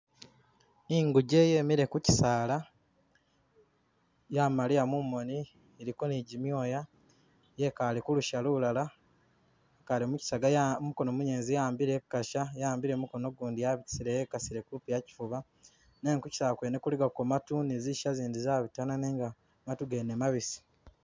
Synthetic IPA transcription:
iŋɡuɟe̞jeːmiɾe̞kuci̥saːla | jamalijamumːo̞ni | eɾikoniɟimjo̞ːja | je̞kalikuluʃaluulala | kalimuci̥saɡajamuko̞nomuɲeːnzijaːmbiɾe̞kaʃajaːmbiɾeːmuko̞no̞ɡuːndijaβii̥siɾejekasiɾekulupujaci̥fuβa | neŋkuci̥salkwenekuliɡakomatuniziʃaziːndizaːβitananeːŋɡa | ŋatuɡenemaβisi̥

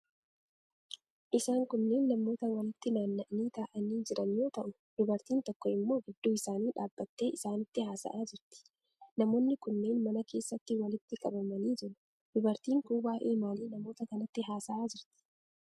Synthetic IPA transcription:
ʔɪsaːŋkʊnːe̞ːnːɐmːo̞ːt̪ɐwɐlɪt̪ːɪnaːnːɐʔniːt̪aːʔɐniːd͡ʒɪɾɐnɪjo̞ːt̪ɐʔʊ | d̪̥ʊbɐɾt̪iːnt̪ɔkːɔɪmːo̞ːɡɪd̪ːuːɪsaːniːᶑaːbːɐt̪ːe̞ːɪsaːnɪt̪ːɪɦaːsɐ̰ʔaːd͡ʒɪɾt̪ɪ̥ | nɐmo̞ːnːɪkʊnːe̞ːnmɐnɐke̞ːsːɐt̪ːɪwɐlɪt̪ːɪkʼɐbɐmɐniːd͡ʒɪɾʊ | d̪̥ʊbɐɾt̪iːŋkuːbaːʔeːmaːliːnɐmo̞ːt̪ɐkɐnɐt̪ːɪɦaːsɐʔaːd͡ʒɪɾt̪ɪ̥

